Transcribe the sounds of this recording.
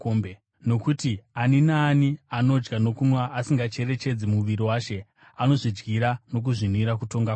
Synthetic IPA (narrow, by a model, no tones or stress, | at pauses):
ombe | no̞kutianinaːniano̞d͡ʒɡano̞kumwaʔːsiŋɡat͡ʃe̞re̞t͡ʃe̞d͡zimuʋiɾiwaːʃe̞ | ano̞ʐid͡ʒɡiɾano̞k̬uʐiniɾakuto̞ŋɡa